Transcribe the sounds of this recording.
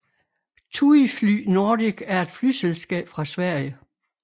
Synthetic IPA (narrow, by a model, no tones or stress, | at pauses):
t͡sʰuifly̰ːno̝ːdiɡ̥æɐe̝d̥fly̰ːselsɡ̥ɛ̰ːb̥fʁɑ̈sʋæɐ̰jə